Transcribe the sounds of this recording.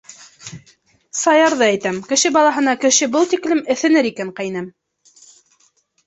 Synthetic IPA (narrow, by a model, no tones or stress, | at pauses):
sɑjɑɾðɤæjt̪æmkɘ̆ʃɘbɑlˠɑɦɤ̆nɑkɘ̆ʃɘbɤlˠt̪iklɘmɘ̆θɘ̆nɘɾikæŋqɑjnæm